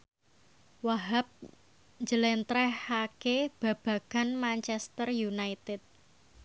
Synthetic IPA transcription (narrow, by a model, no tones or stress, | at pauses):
waɦap̚ | ɲd͡ʒəlɛnt̪ɾɛhakeb̥a̤b̥a̤ɡ̥anmaɲt͡ʃɛst̪ərjunait̪ɪt̪̚